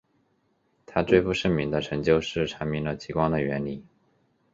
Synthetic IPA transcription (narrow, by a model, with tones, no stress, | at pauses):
t̪ʰa˥twe˥˧ɪfu˥˧ʂə˥˩mi˧˥ŋd̪ə˧ʈ͡ʂʰɤ˧˥ŋt͡ɕjo˥ʊʂɻ̩˥˩ʈ͡ʂʰa˧˥ŋmi˧˥ŋlə˨t͡ɕi˧˥kwɑ˥ŋd̪ə˨ɥɛ˧˥nli˨˩˦